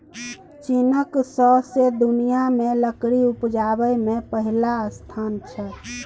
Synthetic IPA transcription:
t͡ʃinəksɔɦsed̪unijameləkɾiupd͡ʒabəjmepəɦilaəst̪ʰant͡ʃʰə

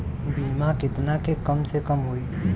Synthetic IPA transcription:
bimãkɪt̪nakʰekəmsekəmɦoːi

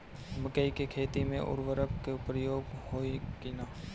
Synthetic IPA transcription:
məkəikekʰeːt̪imẽʔʊ̰ɾʋəɾəkkepɾəjoːɡhoːikinaː

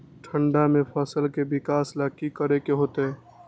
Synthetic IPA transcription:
ʈʰəɳɖamẽpʰəsəlkebɪkaːslakikəɾekeɦoːt̪eɦɛː

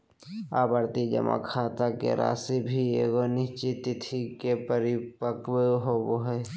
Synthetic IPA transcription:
aːbəɾt̪id͡ʒə̰mʔa̰kʰaːt̪akḛɾa̰ːsibʱieːɡonɪt͡ʃit̪ɪt̪ʰikepəɾɪpəkweɦoboɦe

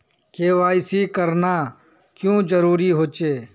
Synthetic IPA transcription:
keːʋaːɪsiːkəɾnaː | kjõːd͡ʒəɾuːɾiːɦoːt͡ʃeː

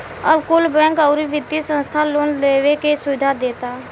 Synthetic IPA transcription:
əbkʊlbɛ̃ːkɔːɾiʋɪd̪jisə̃nst̪ʰaloːnleːwekesʊʋɪd̪ʱad̪eːt̪a

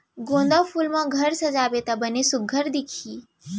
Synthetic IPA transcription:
ɡõnd̪əpʰulmãɡʱəɾsəd͡ʒabet̪abənesʊɡʱəɾd̪ikʰiː

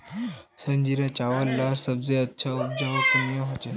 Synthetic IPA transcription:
səɲd͡ʑiɾat͡ɕaʋəlːaɾsəbd͡zeətːɕʰaup̚d͡ʑaʋək̪unjəɦot͡ɕe

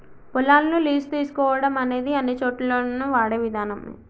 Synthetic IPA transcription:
pulaːlɐnuliːst̪iːsu̥kɔːʋɐɽɐmɐne̞ːd̪iɐnːit͡ʃoːʈːloːnuʋaːɽeʋid̪ʱaːnɐm̰

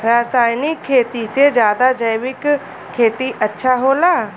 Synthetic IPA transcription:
ɾaːsaːjnɪkʰːeːt̪ised͡ʒjaːd̪ad͡ʒəjʋɪk | kʰːeːt̪iʔətːʃʰaɦoːlaː

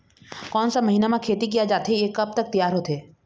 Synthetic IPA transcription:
kɔːnsamɐɦiːnamãkʰeːt̪ik̬ijad͡ʒaːt̪ɦeeːkɐp̚t̪ɐk̚t̪ijaːɾɦoːt̪eː

